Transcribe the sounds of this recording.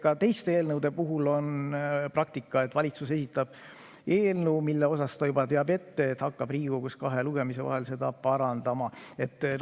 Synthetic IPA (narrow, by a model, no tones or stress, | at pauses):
kɑt̪e̞jst̪eeːlnɤwd̪̥e̞puɦulo̞nprɑk̚t̪ikːˑɑe̞t̪ːˑvɑlʲit̪suse̞sit̪ːˑɑb̥̚ | e̞ːlnəːmilːeo̞sɑst̪ɑjubɑt̪e̞ɑbe̞t̪ːe̞ːt̪hɑkːɑb̥riːɡ̥ukuskɑɦe̞luɡ̥e̞mise̞vɑ̰ɦe̞lse̞d̪ɑpɑɾɑnd̪̥ɑmɑe̞t̪ˑː